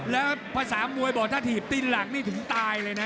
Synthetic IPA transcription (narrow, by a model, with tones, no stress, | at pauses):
lɛː˦˥wpʰaː˧saː˨˩˦mu˧əjbɔː˨˩kt̪ʰaː˥˩t̪ʰiː˨˩p̚t̪i˧nla˨˩˦ŋ̚niː˥˩t̪ʰɯ˨˩˦ŋt̪aː˧jlɤː˧jna˦˥